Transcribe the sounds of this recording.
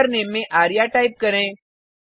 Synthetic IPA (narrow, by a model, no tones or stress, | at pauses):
ɾnemːẽʔaɾijaʈaip̚kəɾẽ